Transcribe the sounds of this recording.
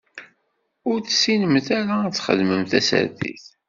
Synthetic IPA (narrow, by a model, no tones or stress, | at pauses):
ʊɾθsinəmθæɾat͡sːχə̰ðməmθæsə̰ɾθḭθ